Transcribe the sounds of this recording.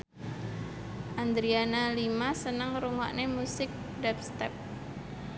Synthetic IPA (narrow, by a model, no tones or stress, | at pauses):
ʔand̪ɾianalimasənəŋɾuŋa̰ʔnemusɪk̚ | dɛpst̪ɛp̚